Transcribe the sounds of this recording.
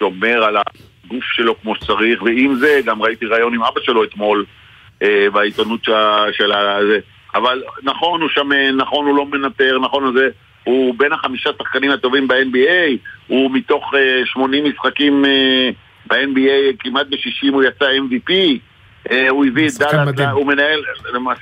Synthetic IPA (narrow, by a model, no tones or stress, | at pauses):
ʃo̞me̞ʁala̰ | ɡufʃe̞lo̞kmo̞ʃe̥t͡saʁiχveimze̞ɡamʁait̪iʁaːjo̞nimabaʃe̞lo̞et̪mo̞l | ʔebait̪onut̪ʃaʃelaze | avalnaχo̞nuʃamenaχo̞nulo̞me̞nat̪e̞ʁnaχo̞naze̞ | hube̞naχamiʃasaχkanimat̪o̞vimbaenbiejhumit̪o̞χeʃmo̞nimːisχakime | baenbiejkimat̪̚beʃiʃimujat͡saenvipi | euiviet̚d̪alaumenae̞lma